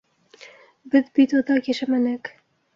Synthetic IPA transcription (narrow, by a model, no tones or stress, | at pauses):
bɘðbit̪od̪ɑkæʃæmænæk